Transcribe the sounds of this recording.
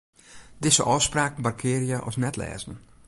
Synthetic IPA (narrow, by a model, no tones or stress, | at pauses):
dɪsə̰ʔɔspraːkn̩barkʰɪːɾijəʔɔ̰snɛtʰlɛ̰ːzn̩